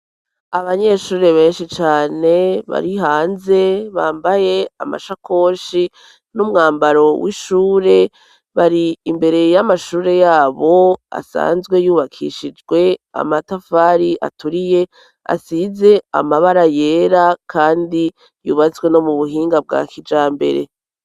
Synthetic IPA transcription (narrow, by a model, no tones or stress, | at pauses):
aβaɲe̞ʃuːɾe̞βe̞ːnʃit͡ʃaːne̞βa̰ɾiɦaːnze̞βaːmbaje̞a̰ma̰ʃakʰo̞ːʃi | numŋaːmbaɾo̞wʔiʃuːɾe̞ | βaɾiːmbe̞ɾe̞jamaʃuːɾe̞jaːβo̞a̰sa̰ːnzɡwe̞juːβakʰḭʃid͡ʒwe̞a̰matafaːɾiʔa̰tuɾije̞ | a̰size̞a̰maβaɾaje̞ːɾakʰaːndi | juːβazɡwe̞no̞muβuɦiːŋɡab̚ɡa̰ːkʰid͡ʒaːmbe̞̰ɾe̞̰